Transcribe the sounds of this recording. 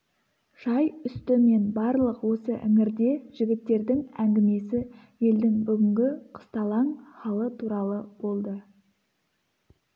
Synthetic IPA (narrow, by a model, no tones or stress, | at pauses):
ʒ̥ɑjʏst̪ɪme̞nbɑɾlˠəqwo̞səʔɪ̰ŋɪɾd̪e̞ʒ̥ɪɡʲɪt̪ːe̞ɾd̪ɪŋæŋɡʲɪme̞sɪ | je̞ld̪ɪŋbʏɡʲɪŋɡʲɪqʰə̥st̪ɑlˠɑɴχɑlˠət̪ʰuɾɑlˠəbo̞lˠd̪ə